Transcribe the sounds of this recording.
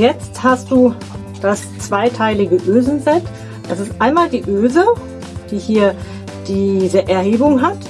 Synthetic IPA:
jɛt͡sthast̚d̥uː | d̥as | t͡sv̥aɪtʰaɪlɪɡəʔøːzn̩zɛt | d̥asɪstʔaɪnmaːldiːʔøːzə | d̥iːhiːɐ | d̥iːzəʔɛɐheːbʊŋɦat

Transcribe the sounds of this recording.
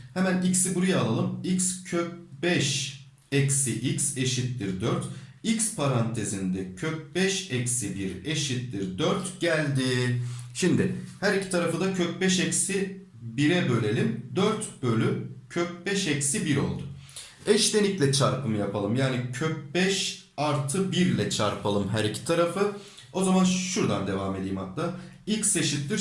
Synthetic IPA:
hɛmænicsibuɾujaːlˠalˠɯmicscʰøp̚bɛʃ | ɛcsiʔicse̞ʃit̪lʲiɾd̪øɾt̪icspʰaɾant̪ʰe̞zind̪ɛcʰøp̚bɛʃɛcsibiɾeʃit̪lʲiɾd̪øɾt̪ɟælʲd̪iʃimd̪ɪhæɾicʰi̥t̪ʰaɾafɯd̪acʰøp̚bɛʃɛcsi | biɾɛbø̞lʲe̞lʲimd̪øɾt̪bølʲycʰøp̚bɛʃɛcsibiɾo̞̰lˠd̪ʊ | ɛʃlenʲiclʲɛt͡ʃʰaɾpʰɯmɯjapʰalˠɯmjaːnicʰøp̚bɛʃ | aɾt̪ʰɯbiɾlʲɛt͡ʃʰaɾpʰalˠɯmɦæɾicʰi̥t̪ʰaɾafɯ | o̞zamanʃuɾd̪and̪e̞vaːme̞d̪ijmat̪̚t̪ailʲcse̞ʃit̪lʲiɾ

